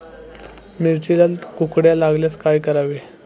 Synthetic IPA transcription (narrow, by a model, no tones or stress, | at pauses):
niɾt͡ɕilalkukɽjalaɡljaskajkəɾaʋe